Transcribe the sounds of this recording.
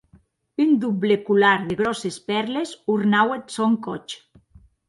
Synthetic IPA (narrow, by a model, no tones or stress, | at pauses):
ynd̪ublekulaɾðeɣ̞ɾɔsespɛɾlesuɾnawet̪soŋkɔt͡ʃ